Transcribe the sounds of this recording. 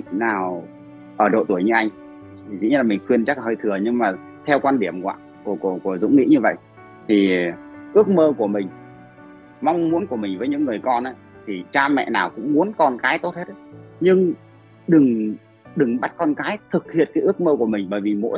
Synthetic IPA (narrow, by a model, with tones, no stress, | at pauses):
naː˨˩w | ʔəː˧˩ɗo̰˧˨t̪u˧˩əjɲɨ˧ʔa˧jŋ̟˨˩ | zɨ̰˧˥ɲɨ˧laː˨˩mi˨˩ŋ̟xwi˧ənt͡ɕa˦˥lhəː˧jt̪ʰɨ˨˩əɲɨ˧ŋmaː˨˩ | t̪ʰɛ˧wkwaː˧nɗi˧˩əmkwa̰ː˧˨ | ku˧˩ku˧˩əku˧˩əzʊ̰˧˥ŋ͡mŋḭ˧˥ɲɨ˧və̰˧˨jʔ | t̪ʰi˨˩ʔɨ˦˥ək̚məː˧ku˧˩əmï˨˩ŋ̟ | ma˧wŋ͡mmu˨˦ənku˧˩əmï˨˩ŋ̟vəː˨˦jɲɨ̰˧˥ŋːɨ˨˩əjkɔ˧nʔə˨˦jt̪ʰi˨˩t͡ɕaː˧mɛ̰˧˨naː˨˩wkʊ̰˧˥ŋ͡mmu˨˦ənkɔ˧nkaː˨˦jt̪o˦˥t̚he˦˥t̚ɲɨ˧ŋ | ɗɨ˨˩ŋ | ɗɨ˨˩ŋɓa˦˥t̚kɔ˧nkaː˨˦jt̪ʰɨ˨˩k̚hḭ˧˨ənkaː˨˦jʔɨ˦˥ək̚məː˧ku˧˩əmï˨˩ŋ̟ɓəː˧˩jvi˨˩mo̰˧˥